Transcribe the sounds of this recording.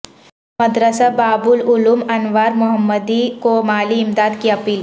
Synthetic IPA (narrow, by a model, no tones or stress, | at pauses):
məd̪ɾəsabaːbʊlʊlumɐnʋaːɾmʊɦəmːəd̪ikomaːliɪmd̪aːd̪kiɐpiːl